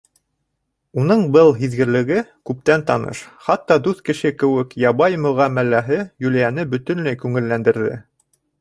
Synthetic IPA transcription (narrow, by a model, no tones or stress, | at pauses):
unɤɴbɤlˠɦiðɡɘ̆ɾlɘ̆ɡɘkʉp̚t̪ænt̪ɑnɤ̰ʃχɑt̪ːɑd̪ʉθkɘ̆ʃɘkɘ̆wɘkjɑβɑjmɵ̆ʁæmælæɦɘjʉlæjænɘbɵ̆t̪ɵ̆nlæjkʉŋɘ̆lːænd̪ɘ̆ɾðɘ̰